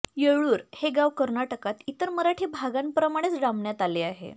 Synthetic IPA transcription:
jeɭuːɾheɡaʋkəɾnaʈəkat̪it̪əɾməɾaʈʰebʱaɡanpɾəmaɽ̃et͡sɖamɳjat̪aleaɦḛ

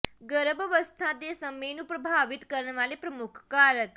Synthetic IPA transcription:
ɡəɾəbəʋəst̪ʰãd̪esəməjnũpɾəbʱaʋit̪kəɾɳʋalepɾəmukʰkaɾək

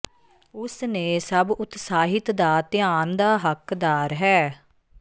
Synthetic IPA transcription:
ʊsneːsəbʊt̪saːɦɪt̪d̪aːt̪ɪjaːnd̪aːɦəkd̪aːɾɦɛː

